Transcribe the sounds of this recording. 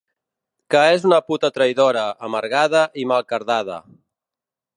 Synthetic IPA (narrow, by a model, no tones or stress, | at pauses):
kaezunəput̪ət̪ɾəjðoɾəːməɾɣaðəʔimalˠkəɾðað̞ə̰